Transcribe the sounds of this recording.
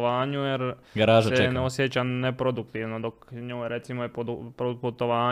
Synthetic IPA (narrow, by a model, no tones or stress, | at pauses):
ʋaːɲujeɾɡɾaːʒseneosjet͡ɕanepɾod̪uk̚t̪iʋnod̪okɲoːjɾʔe̞t̪simojepod̪upɾoput̪oʋaː